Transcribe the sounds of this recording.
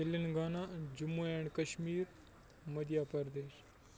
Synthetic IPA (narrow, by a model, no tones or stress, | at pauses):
ilːinɡaːnad͡ʒumːoɛːɳkɐʃmiːɾ | mɐd̪jaːpɐɾd̪eːʃ